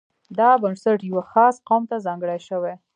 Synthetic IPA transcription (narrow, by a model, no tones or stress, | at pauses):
d̪ɑbansaʈjəwəxɑsqɑmt̪azɑŋɡəɽajʃəwe